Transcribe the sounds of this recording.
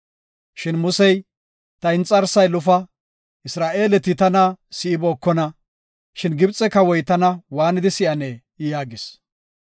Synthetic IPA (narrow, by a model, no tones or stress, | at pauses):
ʃɪnmʊsɛj | t̪ɐɪnt͡sʼɐɾsɐjlʊfɐ | ʔɪsɾaːʔe̞ːlɛt̪ɪt̪ɐnɐsɪɪboːkːɔnɐ | ʃɪnɡɪbt͡sʼːɛkɐwɔjt̪ɐnɐwaːnɪd̪ɪsɪʔɐnɛ | ɪjaːɡɪs